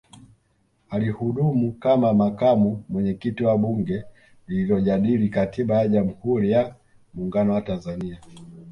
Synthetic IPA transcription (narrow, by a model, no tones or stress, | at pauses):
alihuɗumukamamakamumwɛɲɛkitiwaɓuŋɡɛ | liilɔʄaɗilikatʰiɓajaʄamuhuɾija | muːŋɡanɔwatanzania